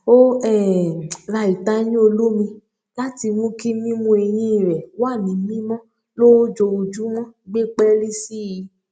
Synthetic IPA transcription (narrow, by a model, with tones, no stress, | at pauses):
o˦ɛ˦˨ɾa˧˨i˨ta˧˦j̃ĩ˦o˧lo˦mĩ˧ | la˦ti˧mũ˦ki˦mĩ˦mũ˧˦e˧j̃ĩ˦i˨ɾɛ˨wa˦˨nĩ˨˦mĩ˦mɔ̃˦ | lo˦d͡ʒo˧u˧d͡ʒu˦mɔ̃˦ɡ͡be˦k͡pɛ˦li˦si˦ji˧